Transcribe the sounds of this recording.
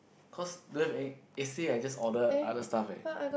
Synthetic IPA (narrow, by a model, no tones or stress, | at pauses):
kʰɔslivɛ̃ɛstiajd͡ʒasɔdəadəstafa̰